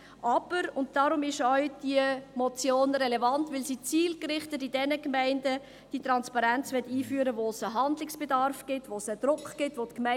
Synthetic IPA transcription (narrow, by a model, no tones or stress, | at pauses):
ʔɑb̥əɾʊnt̚d̥ɑːɾʊmɪʃœʏd̥iəmɔt͡sjoːnɾɛlevɑntʋɪlsiːt͡siːlkɾɪχtətidɛnəkmæɪndə | d̥itɾɑnspɑɾænt͡sʋɛtiːfyːɾəʋosəɦɑndlɪksb̥edɑɾfɡ̥ɪtʋosəd̥̪ɾʊkχɡ̥ɪtʋotkmɛ